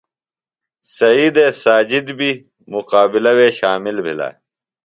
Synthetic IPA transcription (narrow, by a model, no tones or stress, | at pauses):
sɐiːd̪eːsaːd͡ʑid̪bʱi | muqaːbilɐweːɕaːmilbʱḭla̰ː